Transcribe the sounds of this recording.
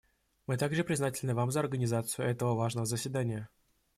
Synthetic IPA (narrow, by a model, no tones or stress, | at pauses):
mɨt̪aɡʐɨpɾʲɪznatʲɪlʲnɨvamzəɐrɡənʲɪzat̪sɨjʊɛt̪əvəvaʐnəvəzəsʲvʲɪd̪anʲɪjə